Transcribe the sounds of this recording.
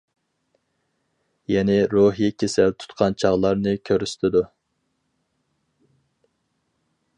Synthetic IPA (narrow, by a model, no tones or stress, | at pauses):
jɛnɪɾoɦijikʲʰesɛlt̪ʰu̥t̪qʰɑnt͡ʃʰɑʁlˠɑɾnɨkʲʰøɾyst̪ʰɪd̪u